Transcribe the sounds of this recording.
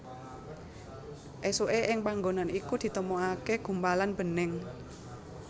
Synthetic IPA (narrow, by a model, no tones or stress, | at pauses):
ʔesoʔeʔɪŋpaŋɡonanikud̪̥i̤t̪əmoakeɡ̥ṳmpalanb̥ə̤nɪŋ